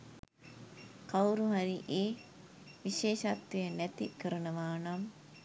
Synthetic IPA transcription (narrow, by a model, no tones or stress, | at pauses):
kawɾuɦaɾiʔeː | ʋiʃeːʃat̪ʋijənæt̪ikəɾənəʋaːnam